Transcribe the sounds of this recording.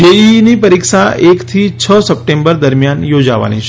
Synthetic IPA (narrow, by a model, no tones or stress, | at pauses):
einipəɾikʃaekt̪ʰit͡ʃʰəsəp̚ʈẽmbəɾd̪əɾmjanjod͡ʒa̰ʋa̰nḭt͡ʃʰ